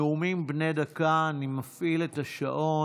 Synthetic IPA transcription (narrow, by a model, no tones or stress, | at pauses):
umimbne̞dakaːnimafʔile̞taʃa̰ʔo̞